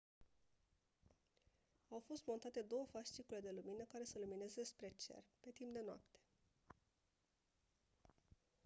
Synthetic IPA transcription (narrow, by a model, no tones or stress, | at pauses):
awfo̞st̪mo̞nt̪at̪e̞d̪o̞wəfaʃt͡ʃ̪ikule̞d̪e̞luminəkaɾe̞səlumine̞zespɾe̞t͡ʃe̞̰rpe̞t̪impd̪e̞noa̰pt̪e̥